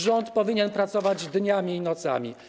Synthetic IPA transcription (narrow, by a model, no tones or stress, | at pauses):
ʐɔnt̪pɔvʲiɲɛnpɾat̪sɔvad͡ʑd̪ɲamʲiːnɔt̪sa̰mʲḭ